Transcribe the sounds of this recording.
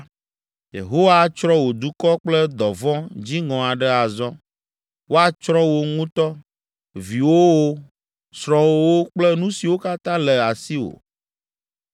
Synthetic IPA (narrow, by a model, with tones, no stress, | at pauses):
jḛ˨ɦo˦wa˦t͡ʃɾɔ˦wo˨d̪u˦kɔ˦k͡plɛ˦d̪ɔ˨vɔ̃˦d͡ʑi˦ŋɔ̃˨a˨ɖɛ˦a˨zɔ̃˦ | wo˦a˨t͡ʃɾɔ̃˦wo˦ŋũ˦t̪ɔ˦ | vi˨wo˦wo˦ | sɾɔ̃˨wo˦wo˦k͡plɛ˦nũ˦si˨wo˦ka˦t̪ã˦lɛ˨a˨si˦wo̰˨